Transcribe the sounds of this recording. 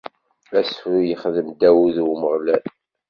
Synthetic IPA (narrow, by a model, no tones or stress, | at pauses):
æsfujəχðəmd̪æwuðwməʁlæn